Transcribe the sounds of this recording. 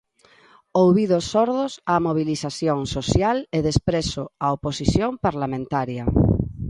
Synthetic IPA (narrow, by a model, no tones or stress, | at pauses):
owβiðosːoɾðʊsamoβ̞iliθaθjoŋsoθjaleðespɾesoaoposiθjompaɾlamẽnt̪aɾjɐ